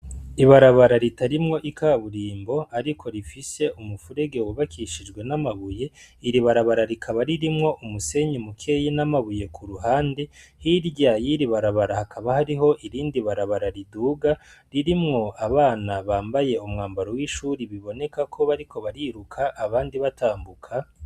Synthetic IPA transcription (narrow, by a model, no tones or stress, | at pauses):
iβaɾaβaɾaɾitaɾimŋo̞ʔikʰaβuɾiːmbo̞aɾikʰo̞ɾifise̞ʔumufuɾe̞ɡe̞wuβakiʃid͡ʒɡwe̞namaβuje̞iɾiβaɾaβaɾaɾikʰaβaɾiɾimŋo̞ʔumuse̞ɲimukʰe̞jinamaβuje̞kʰuɾuɦaːndehiɾɟajiɾiβaɾaβaɾahakʰaβahaɾiɦo̞ʔiɾiːndiβaɾaβaɾaɾiduːɡaɾiɾimŋo̞aβaːnaβaːmbaje̞umŋaːmbaɾowiʃuɾiβiβo̞ne̞kakʰo̞βaɾikʰo̞βaɾiɾukʰaʔːβaːndiβatʰaːmbukʰa